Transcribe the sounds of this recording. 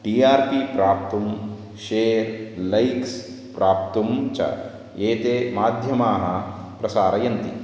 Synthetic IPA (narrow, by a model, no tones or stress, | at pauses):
ʈiːaːɾpipɾaːp̚t̪um | ʃeːɾlɐjks | pɾaːp̚t̪umt͡ʃɐ̰ | eːt̪eːmaːd̪ʱjɐmaːɦɐ | pɾɐsaːɾɐjɐnt̪ḭ